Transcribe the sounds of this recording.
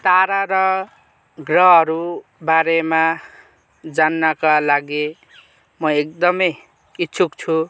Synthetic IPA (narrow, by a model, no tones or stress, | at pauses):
t̪aɾaɾʌ | ɡrʌɦʌɾubaɾema | d͡zanːakalaɡe | mʌek̚d̪ʌmʌj | itːt͡sʰukt͡sʰu